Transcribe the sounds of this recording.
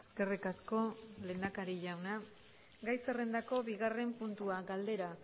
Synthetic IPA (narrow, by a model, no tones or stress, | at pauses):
ske̞rikasko̞le̞nd̪akaɾiʎawna | ɡajsere̞nd̪ako̞βiɣare̞mpunt̪uaɡald̪e̞ɾa